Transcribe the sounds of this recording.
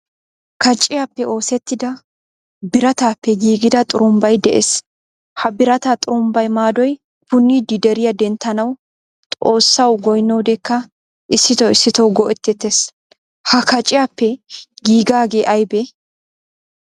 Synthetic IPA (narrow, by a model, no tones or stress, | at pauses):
kɐt͡ʃʼːɪjapːɛo̞ːsɛt̪ːɪd̪ɐ | bɪɾɐt̪aːpːɛɡiːɡɪd̪ɐt̪ʼʊɾʊmbɐjd̪ɛʔes | hɐbɪɾɐt̪at̪ʼʊɾʊmbɐjmaːd̪ɔj | pʊnːiːd̪ɪd̪ɛɾɪjɐd̪ɛnt̪ːɐnɐw | t̪ʼo̞ːsːɐwɡɔjnːɔwd̪ɛkːɐ | ʔɪsːɪt̪ɔɪsːɪt̪ɔwɡɔʔɛt̪ːɛt̪ːes | hɐkɐt͡ʃʼːɪjaːpːɛɡiːɡaːɡe̞ːʔɐjbɛ